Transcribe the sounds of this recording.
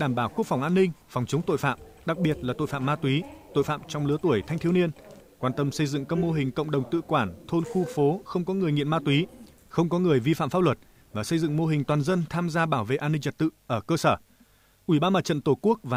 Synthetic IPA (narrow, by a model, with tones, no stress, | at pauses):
ɗaː˧˩mɓaː˧˩wku˦˥ək̚fa˨˩wŋ͡mʔaː˧nːï˧ŋ̟fɔ˨˩wŋ͡mt͡ɕə˨˦wŋ͡mt̪o̰˧˨fa̰ː˧˨m | ɗa˨˩k̚ɓi˨˩ət̚laː˨˩t̪o̰˧˨fa̰ː˧˨mːaː˧t̪wi˨˦t̪o̰˧˨jfa̰ː˧˨mt͡ɕɔ˧wŋ͡mlɨ˨˦ət̪u˧˩əjt̪ʰa˧jŋ̟t̪ʰəni˧ənkwaː˧˩nt̪ə˧msə˧jzɨ̰˧˨ŋkaː˦˥k̚mo˧ɦï˨˩ŋ̟kə̰˧˨wŋ͡mɗə˨˩wŋ͡mt̪ɨ̰˧˨kwaː˧˩nt̪ʰo˧nxu˧fo˨˦xə˧wŋ͡mkɔ˨˦ŋɨ˨˩əjŋḭ˧˨ənmaː˧t̪wi˨˦ | xə˧wŋ͡mkɔ˨˦ŋɨ˨˩əjvi˧fa̰ː˧˨mfaː˦˧p̚lwə˨˩t̚ | vaː˨˩sə˧jzɨ̰˧˨ŋmo˧ɦï˨˩ŋ̟t̪waː˨˩nzə˧nt̪ʰaː˧mzaː˧ɓaː˧˩wvḛ˧˨ʔaː˧nːï˧ŋ̟t͡ɕə˨˩t̚t̪ɨ̰˧˨ʔəː˧˩kəː˧səː˧˩ | ʔwi˧˩ɓaː˧nmaː˧˨t͡ɕə̰˧˨nt̪o˧˩ku˦˥ək̚vaː˨˩